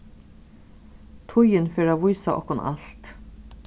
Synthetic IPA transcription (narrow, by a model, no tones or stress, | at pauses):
t̪ʰʊjɪnfɛːɾaːʋʊjsaʔɔ̰hkʊna̰lt̪